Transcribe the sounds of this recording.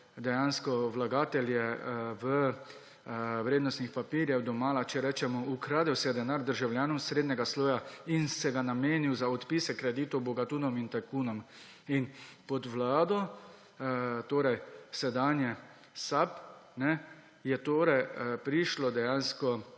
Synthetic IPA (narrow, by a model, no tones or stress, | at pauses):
d̪ɛjaːnskɔʋlaɡaːt̪ɛljɛʋə | ʋɾeːd̪nɔst̪nixpapiːɾjɛwd̪ɔmaːlat͡ʃɛɾɛːt͡ʃɛmɔukɾaːd̪ɛwsɛjɛd̪ɛnaɾd̪əɾʒawljaːnɔmsɾeːd̪nɛɡasloːjainsɛɡanameːniwzaɔt̪piːsɛkɾɛd̪iːt̪ɔbɔɡat̪uːnɔmint̪ɛkuːnɔm | inpɔd̪ʋlaːd̪ɔ | t̪oːɾɛjsɛd̪anjɛ | sapnɛ | jɛt̪oːɾɛjpɾiʃlɔd̪ɛjaːnskɔ